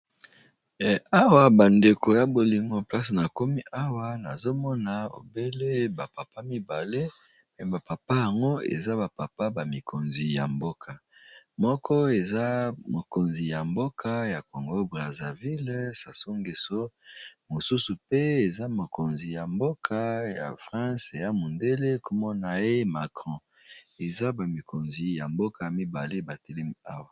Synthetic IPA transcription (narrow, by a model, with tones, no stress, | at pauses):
a˦wa˨ba˨nde˨ko˨ja˦bo˨li˨ŋɡo˦pla˦si˨na˨ko˦mi˦ʔa˦wa˦na˨zo˦mɔ˦na˨o̰˨be˦le˦ba˨pa˨pa˦mi˦ba˨le˦ | pɛ˨ba˨pa˨pa˦ja˨ŋɡo˦ḛ˨za˦ba˨pa˨pa˦ba˨mi˨ko˨nzi˨ja̰˨mbo˦kʰa˨mɔ˦kʰɔ˦e˨za˦mo˨ko˨nzi˨ja˨mbo˦kʰa˦ja˨ko˨ŋɡo˦bʁa˨za˨vi˦lsa˨so˦ŋɡe˨so˦mo˨su˦su˨pe˦e˨za˦mo˨ko˨nzi˨ja˨mbo˦kʰa˦ja̰˨fʁɑ̃˦se˨ja˦mu˨nde˦le˦ko˨mɔ˦na˨je˦ma˨kʁɔ̃˦ | e˨za˦ba˨mi˨kʰo˨nzi˨ja˨mbo˦ka˨a˨mi˦ba˨le˦ba˨te˦le˦a˦wa˨